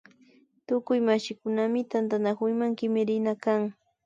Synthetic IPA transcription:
t̪ʊkʊjmaʃɪkʊnamɪt̪ant̪anakʊjmaŋkɪmɪɾɪnakaŋ

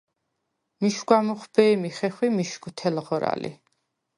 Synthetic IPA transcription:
miʃɡwamuχbɛːmiχɛχwimiʃɡwt̪ʰɛlʁɔɾa̰lḭ

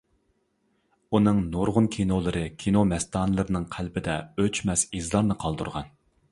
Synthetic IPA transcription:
unɨŋnoɾʁʊnkʲʰinolˠɨɾɨkʲʰinomɛst̪ɑːnɨlˠɨɾɨnɨŋqʰælbɪd̪ɛøt͡ʃmɛsizlˠɑɾnɨqʰɑlˠd̪ṵɾʁɑn

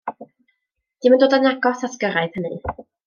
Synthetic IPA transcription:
d̥iməndoːdanjaɡɔθasɡəɾajð̥hənɨ̰

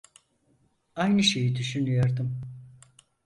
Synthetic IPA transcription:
ajnɯʃe̞jid̪yʃynyjoɾd̪ɯm

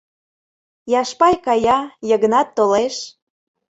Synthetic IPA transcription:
jɑʃpɑjkɑjɑjəɣə̆nɑt̪ːoleʃ

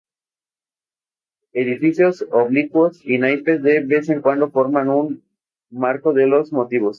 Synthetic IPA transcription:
e̞ðifisjo̞soβlikwosinajpezðeβe̞seŋkwand̪o̞fo̞ɾmanun | maɾko̞ðelo̞zmo̞t̪iβo̞s

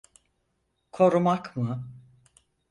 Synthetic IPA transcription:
kʰo̞ɾumakmɯ

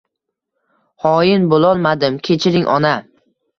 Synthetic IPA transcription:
hɒjɪnbolˠɒlˠmad̪ɪmkʲʰe̞t͡ʃʰɪɾɪŋʲʔɒna

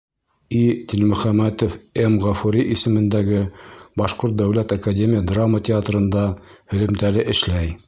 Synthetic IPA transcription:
it̪ʲilmɵ̆χæmæt̪ofemʁɑfuɾʲiʔisɘ̆mɘ̆nd̪æɡɘbɑʃqoɾt̪̚d̪æwlæt̪ɐkad̪ʲemʲijəd̪ramːət̪ʲɪat̪rɤ̆nd̪ɑhɵ̆lɘ̆mt̪ælɘʔɘ̆ʃlæj

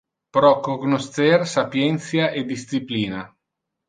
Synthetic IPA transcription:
pɾɔkoɡnost̪ɛrsapjɛnt̪sjaʔed̪ist̪sipliːna

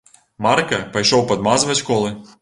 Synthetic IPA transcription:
maɾkɐpɐjʃɔwpɐd̪mazvɐt͡sʲkɔlˠɨ

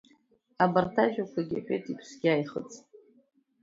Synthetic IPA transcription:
abartʰaʒᶣakʷaɡʲa̰ħᶣejtʼipʰsɡʲajχə̰t͡sʼ

